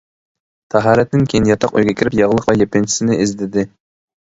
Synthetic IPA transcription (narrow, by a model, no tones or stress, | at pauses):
t̪ʰɛɦɑːɾɛt̪ːɪnkʲʰejinjɑt̪ʰɑqø̰jɡʲɛkʲʰiɾɪpjɑʁlˠəqlˠɑjepɪnt͡ʃʰi̥sɪnɪizd̪ɪd̪ɪ